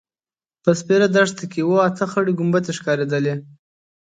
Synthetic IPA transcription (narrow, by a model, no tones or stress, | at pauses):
pəspeɾad̪aʂt̪akewoat̪əxəɽiɡʊmbat̪eʃkɑɾed̪əle